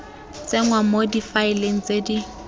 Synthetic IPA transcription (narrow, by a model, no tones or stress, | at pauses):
t͡sʼeŋwamodifaɪleŋ̩t͡sedi